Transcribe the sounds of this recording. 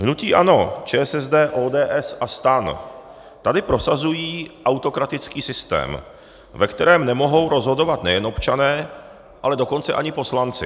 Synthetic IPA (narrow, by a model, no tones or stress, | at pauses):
ɦnuciːʔano̞t͡ʃɛːsɛzdɛːʔoːdɛːʔɛsast̪an | t̪adɪpɾo̞sazujiːʔawt̪o̞kɾat̪ɪt͡skiːsɪst̪ɛ̰ːm | vɛkt̪ɛɾɛːmnɛmo̞ɦo̞wɾo̞zɦo̞do̞vat̪nɛjɛno̞pt͡ʃanɛː | ʔalɛdo̞ko̞nt͡sɛʔaɲɪpo̞slant͡sɪ